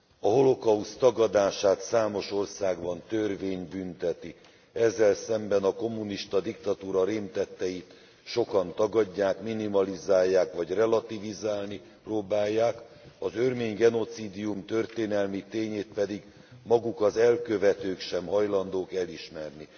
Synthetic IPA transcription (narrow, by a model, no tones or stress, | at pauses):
ɒɦo̞lo̞kɒust̪ɒɡɒd̪aːʃaːt̪saːmo̞ʃo̞rsaːɡbɒnt̪ørveːɲbynt̪ɛt̪i | ɛzːɛlsɛmbɛnɒko̞mːuniʃt̪ɒd̪ikt̪ɒt̪uːɾɒɾeːmt̪ɛt̪ːɛjit̪ | ʃo̞kɒnt̪ɒɡɒɟːaːkminimɒlizaːjːaːkʋɒɟrɛlɒt̪ivizaːlni | proːbaːjːaːk | ɒzørmeːɲɡɛno̞t̪siːd̪ijumt̪ø̞rt̪eːnɛlmit̪eːɲeːt̪̚pɛd̪iɡ | mɒɡukɒzɛlkø̞vɛt̪øːkʃɛmɦɒjlɒnd̪oːkɛliʃmɛrni